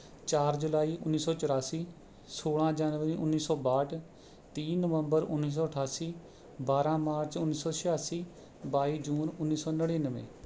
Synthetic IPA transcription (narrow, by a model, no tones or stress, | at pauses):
t͡ʃaːɾd͡ʒʊlaːiːʔʊnːiːsɔːt͡ʃəɾaːsiː | soːlãːd͡ʒaːnʋəɾiːʔʊnːiːsɔːbaːʈʰ | t̪iːnəʋə̃mbəɾʊ̰nːiːs̬ɔːəʈʰaːsiː | baːɾãːmaːɾt͡ʃʊnːiːsɔːʃɪjaːsiː | baːiːd͡ʒuːnʊnːiːsɔːnəɽiːnəʋḛ̃ː